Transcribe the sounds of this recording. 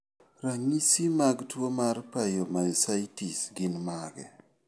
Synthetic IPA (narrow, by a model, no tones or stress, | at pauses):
raŋisimaɡtwomarpajomasajtisɡɪnmaɡɛ̰